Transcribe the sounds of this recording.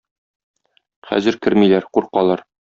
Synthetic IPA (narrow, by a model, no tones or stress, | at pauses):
χæ̰zɘ̆ɾkɘɾmilæɾquɾqɑlˠɑɾ